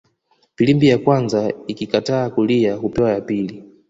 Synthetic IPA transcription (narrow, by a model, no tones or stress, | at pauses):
pilimbijakwanzaikikataːkulijakupɛwajapiːli